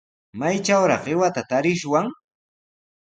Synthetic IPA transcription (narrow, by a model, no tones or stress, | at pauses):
majt͡ʃawɾɑχɪwat̪at̪aɾɪʃwaŋ